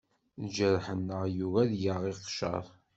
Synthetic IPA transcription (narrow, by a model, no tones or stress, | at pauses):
ðd͡ʒəɾħənːəʁjuvæðjəʁiqʃə̰ɾˤ